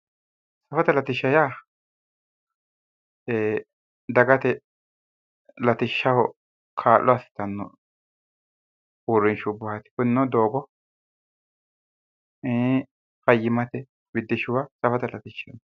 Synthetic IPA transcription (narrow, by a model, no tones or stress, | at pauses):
sɐfɐt̪ɐlɐt̪ɪʃːɐjaː | eː | d̪ɐɡɐt̪ɛ | lɐt̪ɪʃːɐwɔ | kʰaːlːɔɐsɪ̥t̪ɐnːɔ̰ | ʊɾːɪnʃʊbɐhɐt̪ɪ̥kʊnːɔd̪oːɡɔ | fɐjːɪmɐt̪ɛ | bɪd̪ːɪʃɪwasɐfɐt̪ɐlɐt̪ɪʃːɐn